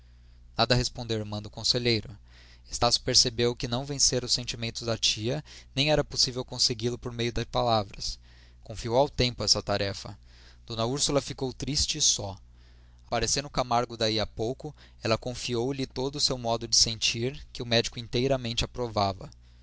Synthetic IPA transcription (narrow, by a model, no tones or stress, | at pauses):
nad̪ɐhespõnd̪ewɪɾmɐ̃d̪ʊkõseʎejɾʊ | est̪asjʊ̥peɾsebewkɪnɐ̃w̃vẽseɾʊsːẽnt͡ʃimẽnt̪ʊzd̪ɐt͡ʃiɐnẽj̃ɛɾɐposivewkõseɡilʊpoɾmejʊd̪ɐspalavɾɐs | kõfiowawt̪ẽmpʊɛsɐt̪aɾɛfɐ | d̪õnɐuɾsulɐfikowt̪ɾist͡ʃɪːsɔ | apaɾesẽɾnʊkamaɾɡʊd̪aiapowkʊ | ɛlɐkõfiowlɪt̪od̪ʊːsewmɔd̪ʊd͡ʒɪsẽnt͡ʃiɾkɪʊmɛd͡ʒikʊĩnt̪ejɾɐmẽnt͡ʃɪapɾovavɐ̰